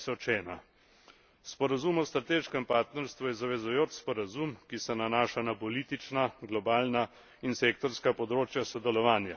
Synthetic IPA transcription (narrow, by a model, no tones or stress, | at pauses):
sɔt͡ʃɛːna | spɔɾazumɔst̪ɾat̪eːʃkɛmpaːɾt̪nɛɾst̪ʋujɛzaʋɛzʊjoːt͡ʃspɔɾazumkisɛnanaːʃanapɔliːt̪it͡ʃnaɡlɔbaːlna | inseːk̚t̪ɔɾskapɔd̪ɾoːt͡ʃjasɔd̪ɛlɔʋaːnja